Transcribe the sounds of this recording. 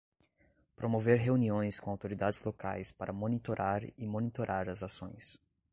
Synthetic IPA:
pɾomoveɾɦeuniõj̃skõawt̪oɾid̪ad͡ʒɪzloka̰jspaɾʔɐmonit̪oɾʔaɾɪmonit̪oɾʔaɾɐzasõj̃s

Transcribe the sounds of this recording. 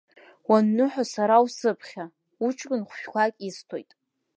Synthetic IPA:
wanːɨħʷᶣasaɾawsɨpʰχʲa | ut͡ʃʼkʼɨnχʷʃᶣkʷʰakʲʼistʰo̞̰jtʼ

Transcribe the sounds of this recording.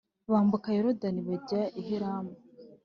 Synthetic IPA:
βaːmbukajeɾodaniβaɟaʔiɦiɾaːmu

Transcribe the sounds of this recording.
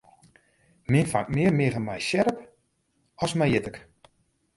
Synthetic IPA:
mɪnfa̰ŋk̚mɪːərmɪəvənmɛjʃɛɾəp | ɔsmɛjɪtək

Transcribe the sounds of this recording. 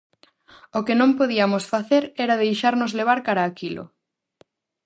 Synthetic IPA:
okɪnõmpoðiɐmʊsfaθeɾɛɾaðejʃaɾnʊzleβ̞aɾkaɾaːkilʊ̰

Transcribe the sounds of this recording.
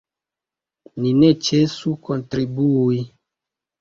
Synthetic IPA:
ninet͡ʃesukontɾibui

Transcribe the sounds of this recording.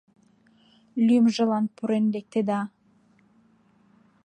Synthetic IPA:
lʲymʒə̆lɑnpʰuɾend̪ek̚t̪ed̪ɑ

